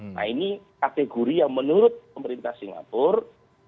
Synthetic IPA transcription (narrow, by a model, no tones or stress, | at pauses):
na̰inikat̪eɡoɾijaŋmənuɾʊt̪̚pəməɾint̪ahsiŋa̰pʊr